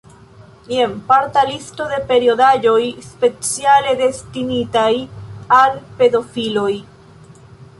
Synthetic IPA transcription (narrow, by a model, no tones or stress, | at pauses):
je̞mpaɾtalisto̞de̞pe̞ɾio̞dad͡ʒo̞jspe̞t͡siale̞de̞stinitajalpe̞do̞filo̞j